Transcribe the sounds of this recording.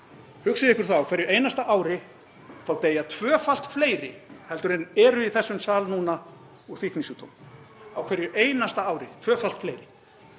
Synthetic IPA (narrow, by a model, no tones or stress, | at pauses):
hʏksɪðɪhkʏɾ̥θawawkʰvɛɾjʏeːjnast̪aʔaːwɾɪ | fawt̪eːjat̪ʰvœːfal̥t̪fleːjɾɪ̰hɛlt̪ʏɾɛnɛɾʏiθɛsːʏmsaːlnuːna | uɾ̥fiknisut̪o̰wm | awkʰvɛɾjʏʔeːjnast̪aaːwɾɪt̪ʰvœːfal̥t̪fleːjɾɪ